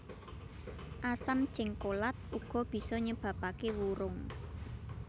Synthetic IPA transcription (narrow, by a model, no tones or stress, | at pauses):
ʔasam̥t͡ʃɪŋkolat̪̚uɡ̥ɔ̤b̥i̤sɔɲəb̥ä̤pakewuɾʊŋ